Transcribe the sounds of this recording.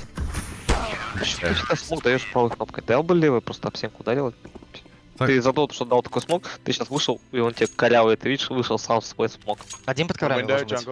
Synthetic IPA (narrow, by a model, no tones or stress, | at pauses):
p̪ːɨɕʲɪ̥t̪asmokd̪ɐjoʂpɾavɨxnop̚kəjd̪ɐjalˠbɨlʲevəpɾo̞st̪əɐpsʲenkʊʊd̪aɾʲilˠə | t̪ɨzɐt̪ot̪oʂt̪od̪alˠt̪ɐ̥ko̞jsmo̞kt̪ɨɕasvɨʂəlˠiontʲɪekɐɾʲavəjt̪ɨvʲidʲɪʂvɨʂəlˠsamsvo̞jsmokɐdʲnʲinpət̪̚kɐvɾa